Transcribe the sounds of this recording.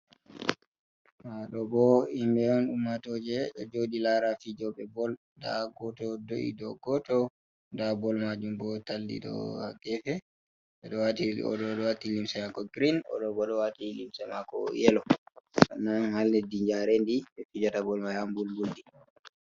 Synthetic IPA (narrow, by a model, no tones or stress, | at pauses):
maɗɔbɔimbɛɔnɗumːatɔd͡ʒɛɗɔd͡ʒoɗilaɾafid͡ʒɔɓɛbɔl | daɡɔtɔdoʔḭdɔɡɔtɔ | ndabɔlmad͡ʒumbɔtaldḭɗɔ̰a̰ɡɛfɛ | ɓɛɗɔwatiɔ̰ɗɔɗɔwatilimsɛmakɔɡɾinɔ̰ɗɔbɔɗɔwatilimsɛmakɔ̰jɛlɔʔa̰nːanhalːɛdiɲd͡ʒaɾɛndiɓɛfid͡ʒatabɔlmajambulbuldi